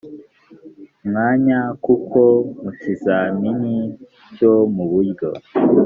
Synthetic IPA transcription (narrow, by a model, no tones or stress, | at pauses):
mŋaːɲakukʰomutizamini | ɟomuβujɡo̰